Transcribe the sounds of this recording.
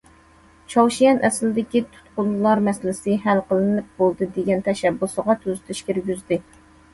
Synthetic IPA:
t͡ʃʰɑwʃijɛnʔɛslɪd̪ɪkʲit̪ʰu̥t̪qʊllˠɑɾmɛslɪsɪɦælqəlˠɨnɨp̚bolˠd̪ɨd̪eɡʲɛnt̪ʰɛʃɛbːusəʁɑt̪ʰøzyt̪ʰyʃkʲiɾɡʲyzd̪ɪ

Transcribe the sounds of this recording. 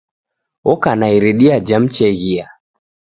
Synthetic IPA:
ɔkanaiɾɛɗiad͡ʒam̩t͡ʃɛɣia

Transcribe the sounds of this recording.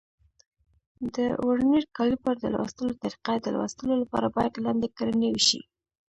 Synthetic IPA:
d̪əwoɽniɽkɑlipaɾd̪ə̰lwa̰st̪əlot̪aɾiqad̪əlwɑ̰st̪əlolapɑ̰ɾabɑjad̪lɑnd̪ekɾanewʃḭ

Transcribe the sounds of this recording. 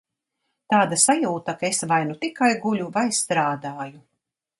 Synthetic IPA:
t̪aːd̪asajuːt̪akaesvajnut̪ikajɡuʎʲuvajst̪ɾaːd̪aːju

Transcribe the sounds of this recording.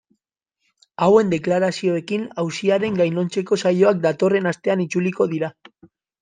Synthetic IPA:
awe̞nd̪eklaɾasio̞e̞kinawsiaɾe̞ŋɡajno̞nt͡se̞ko̞sajo̞ak̚d̪at̪o̞re̞nast̪e̞anit͡suliko̞ð̞iɾa

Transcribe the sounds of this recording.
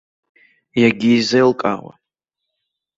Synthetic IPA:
jaɡʲiːzejlkʼa̰wa̰

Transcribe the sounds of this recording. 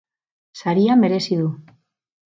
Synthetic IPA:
saɾiame̞ɾe̞siðu

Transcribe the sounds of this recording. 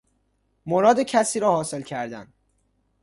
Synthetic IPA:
moɾɒːd̪ecʰæsiːɾɒːhɒːse̞lcʰæɾd̪æn

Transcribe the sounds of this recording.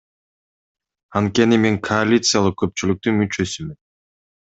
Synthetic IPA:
ant̪̚kʲe̞nime̞ŋkʰoalʲit̪sɨjalˠɯq̚kːø̞p̚t͡ʃylyk̚t̪ymyt͡ʃø̞symyn

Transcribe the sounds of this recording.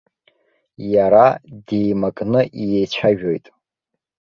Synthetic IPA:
jaɾadejmakʼnɨʔijejt͡ɕʷʰaʒᶣojtʼ

